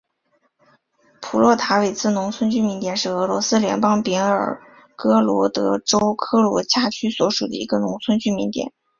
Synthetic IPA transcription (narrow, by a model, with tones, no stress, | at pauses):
pʰu˨˩lwɔ˥˩t̪ʰa˧˥we˨˩ɪt͡sʰɹ̩˥˩nʊ˧˥ŋt͡sʰwə˥nt͡ɕy˥mi˧˥nt̪jɛ˨˩nʂɻ̩˥˩ɤ˧˥lwɔ˧˥sɹ̩˥ljɛ˧˥npɑ˥ŋpji˧˥ŋə̰˞˨˩ | kɤ˥lwɔ˧˥t̪ɤ˧˥ʈ͡ʂo˥ʊkʰɤ˥lwɔ̰˧˥t͡ɕja˥˩t͡ɕʰy˥swɔ˧˥ʂu˨˩d̪ə̰˦ḭ˧˥ɡə˧nʊ˧˥ŋt͡sʰwə˥nt͡ɕy˥mi˧˥nt̪jɛ̰˨˩˦n